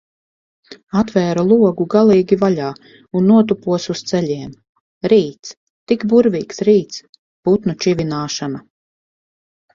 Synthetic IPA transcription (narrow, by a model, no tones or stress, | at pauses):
at̪vɛːɾulˠuɔɡuɡalˠiːɡʲivalʲaː | unːuɔt̪upuɔsust̪sɛʎʲiɛm | ɾiːt̪s | t̪ikbuɾviːksɾiːt̪s | put̪nut͡ʃivʲinaːʃana